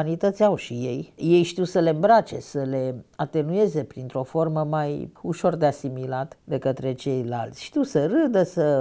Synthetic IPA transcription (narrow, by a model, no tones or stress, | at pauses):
nit̪ət̪sʲawʃije̞jje̞jʃt̪iwsəle̞mbɾat͡ʃe̞səle̞at̪e̞nue̞ze̞pɾint̪ɾo̞fo̞rməmajuʃo̞rd̪easimilat̪d̪e̞kət̪ɾe̞t͡ʃe̞jla̰lt̪sʲʃt̪iwsəɾɨd̪əsə